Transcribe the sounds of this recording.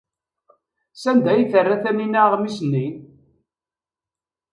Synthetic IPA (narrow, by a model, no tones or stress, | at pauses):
sænd̪æjθərːæθæninæʁmisnːin